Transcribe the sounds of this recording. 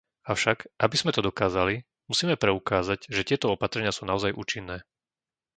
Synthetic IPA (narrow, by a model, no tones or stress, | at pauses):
aʊʃakʔabiz̥mɛt̪ɔd̪ɔkaːzali | musiːmɛpɾɛukaːzaɟʒɛt̪ɪɛt̪ɔɔpat̪ɾɛɲɪasuːnaɔzajʔṵːt͡ʃinːɛː